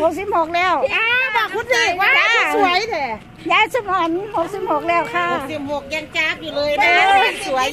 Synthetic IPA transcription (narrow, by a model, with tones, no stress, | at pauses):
ho˧˦k̚si˧˩p̚hoː˨˧˩k̚lɛː˥˩waː˧baː˧˩kʰu˧˥niː˧˩waː˧˨aː˨˧˩a˧˥su˨˩˦ɐjdɛː˧˩ | jaː˧˥˩jsɯ˧˩pɔː˧˩n˧ho˧˩k̚si˧˩p̚hoː˧˩k̚lɛː˧˩wkʰa˧˥˩o˨˧ksi˧˩p̚ho˨˩k̚jaː˧˩ŋt͡ɕaː˧˩p̚juː˨˩lɤː˧ja˧ɤː˥˧aː˧a˧˩nsu˨˩˦ɐj